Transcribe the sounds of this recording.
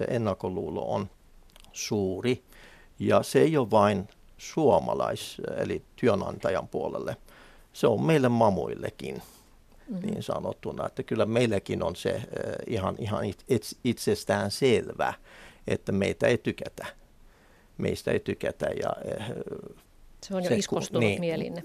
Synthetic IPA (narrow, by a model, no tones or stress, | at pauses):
sḛʔenːɑkːoluːlo̰on | suːri | jɑseijoʋɑin | suomɑlɑisḛlit̪yønɑ̰nt̪ɑjɑmpuolḛlːe | seommeilːemmɑmuilːḛkḭn | nḭːnsɑ̰no̰t̪ːunɑet̪ːækylːæmeilːækinonsḛihɑnihɑnieit̪sest̪æːnselʋæ̰et̪ːæmeit̪æeit̪ykæt̪æ | mḛist̪æḛit̪ykæt̪æ̰jɑ̰e | seosest̪niːilḭn